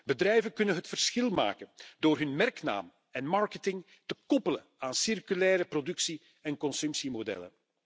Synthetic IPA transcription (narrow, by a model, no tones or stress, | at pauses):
bədrɛjvənkɵnənɦətfərsxɪlˠma̰ːkəndoːrɦɵnmɛrkna̰ːm | ɛnmɑɹkətɪŋ | təkɔpələnaːnsɪrkylɛːɾəprodɵksi | ɛnkɔnsɵmpsimodɛ̰lə̰n